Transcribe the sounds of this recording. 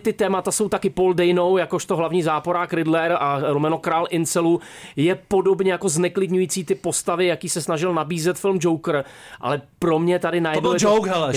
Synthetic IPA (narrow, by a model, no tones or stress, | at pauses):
t̪ɪt̪ɛːmat̪aso̞wt̪akɪpo̞ldɛjnowjako̞ʃt̪oɦlavɲiːzaːpoɾaːkɾɪdlɛɾaɾomɛno̞kɾaːlʔɪnt͡sɛlu | jɛpo̞do̞bɲɛjako̞znɛklɪdɲujiːt͡siːt̪ɪpo̞st̪avɪjakiːsɛsnaʒɪlnabiːzɛt̪fɪlmd͡ʒo̞wkr̩ʔa̰lɛpɾo̞mɲɛt̪adɪnajɛdnɪjɛd͡ʒowkɦɛl